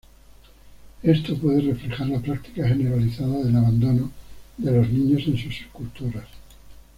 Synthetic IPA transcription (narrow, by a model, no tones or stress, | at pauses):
e̞st̪o̞pwe̞ð̞e̞re̞fɾe̞xaɾlapɾak̚t̪i̥kaxe̞ne̞ɾaliθaðaðe̞laβand̪o̞noðe̞lo̞znĩɲo̞sẽ̞nsuse̥skult̪uɾas